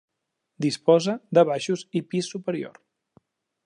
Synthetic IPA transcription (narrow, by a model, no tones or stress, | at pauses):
d̪ispɔzəd̪əβaʃuzipisːupəɾio̰ɾ